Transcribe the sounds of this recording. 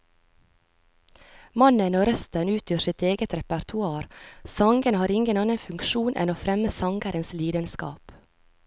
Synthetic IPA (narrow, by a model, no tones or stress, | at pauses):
mɑnənoːɾœst̪ənʉːt̪ʰjøːsɪt̪eːɡət̪ɾɛpæɾt̪ʰʊɑːɾsɑŋɡənhɑːɾɪŋɡənɑːnənfʉŋkʃuːnʔɛ̰noːfɾɛməsɑŋɡəɾənsliːd̪ənskɑ̰ːp